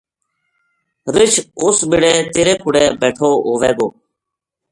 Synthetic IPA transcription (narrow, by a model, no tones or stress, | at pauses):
ɾɪt͡ʃʰʊsɓɪɽeːt̪eːɾeːkʰʊɽeːbɛːʈʰoːɦoːʋɛːɡoː